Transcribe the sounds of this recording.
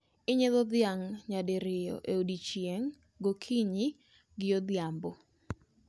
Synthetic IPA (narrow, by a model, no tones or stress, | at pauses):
ɪɲeðɔd̪ɪjaŋɲadeɾɪjɔ̰ʔeodit͡ʃjeŋ | ɡokʰiɲi | ɡɪjod̪jambo